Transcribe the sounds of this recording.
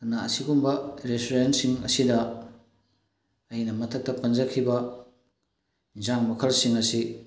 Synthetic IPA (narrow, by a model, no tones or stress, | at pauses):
naɐsiɡumbɐɾestuɾensiŋɐ̰sidɐ | ɐjinɐmɐtʰɐk̚tɐpɐnd͡ʒɐkʰibɐ | d͡ʒaŋmɐkʰɐlsiŋɐsi